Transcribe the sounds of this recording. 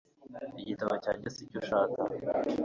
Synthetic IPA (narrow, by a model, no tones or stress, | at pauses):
iɟitaβacaːɲɟesicoʃaːka